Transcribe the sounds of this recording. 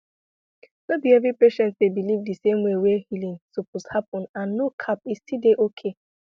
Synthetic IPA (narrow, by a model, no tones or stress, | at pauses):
d̥obiɛvɾipeʃɛ̃ntsdebilivdɨsẽmwewehilĩnsopɔshap̚ɔ̃nãnːokʰap̚istideʔokʰe